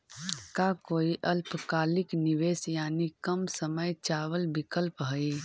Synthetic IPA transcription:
kakoːiʔəlpkaːlɪkniʋeːsjaːnikəmsəməjt͡ʃaːwəlbɪkəlpɦəi

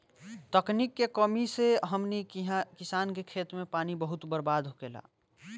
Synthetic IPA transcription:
t̪əknikːekəmiseɦəmnikɪsaːnkekʰeːt̪mẽpaːnibəɦʊt̪bəɾbaːd̪ʱɦokeːla̰ː

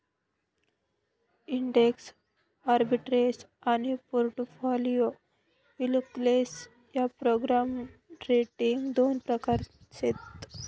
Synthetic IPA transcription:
iɳɖeks | aɾbiʈɾesanipoɾʈfolijo | ilukles | japɾoɡɾamɾeʈiŋɡd̪onpɾəkaɾɕet̪

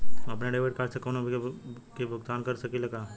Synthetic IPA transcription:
ɐpneɖeːʋeːʈkaɾsekonobʱkibɡd̪aːnkɐɾsɐkilɐɡaː

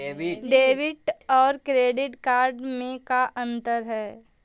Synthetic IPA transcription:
ɖeːʋɪʈɔːɾkɾeːɖɪʈkaːɾɖmẽkaʔɐ̃nt̪əɾɦɛː

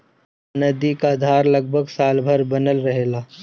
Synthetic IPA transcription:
nɐd̪ikaːd̪ʱaːɾlɐɡ̚bʱəɡsaːlbʱəɾbɐnəlɾɐɦeːlaː

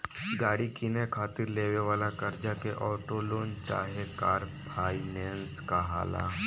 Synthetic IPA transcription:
ɡaːɽikinekʰaːt̪ɪɾleːʋeʋaːlakɐɾd͡ʒakeʔɔːʈoloːnt͡ʃa̰ːɦekaːɾpʰaːinɛ̃ːnskaɦa̰ːla̰ː

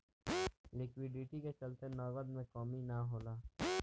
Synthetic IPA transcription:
lɪkwɪɖɪʈiket͡ʃɐlt̪enɔːɡəd̪mẽkɔːminaɦoːlaː

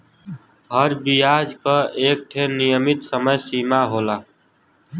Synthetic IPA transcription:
ɦəɾbijad͡ʒkəek̚ʈʰenijəmit̪səməjsimaɦola

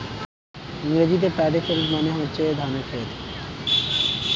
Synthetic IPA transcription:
iŋɾed͡ʑit̪̬epɛɖefelmmoneɦotːɕʰed̪ʱaɾmefʰel

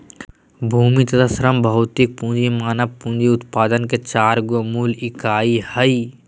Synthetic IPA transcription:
bʱuːmit̪ɐt̪ʰasɾəmbʱɐʊt̪ik̚pũːd͡ʒimaːnɐʋpũːnd͡ʒiʊt̪paːd̪ənket͡ʃaːɾɡomuːlɪkaːihəi

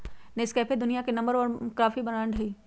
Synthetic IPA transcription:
nɪskɛːpʰed̪ʊnijakenɐ̃mbəɾɔːɾkɾaːfibɐnaːɳɖʱɐiː

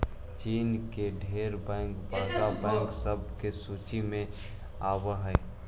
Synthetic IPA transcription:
t͡ʃiːnkeɖʱeːɾbɛ̃ːŋkbaːɡabɛ̃ːŋksəbʱkesuːt͡ʃimẽ | aːwəɦɛ

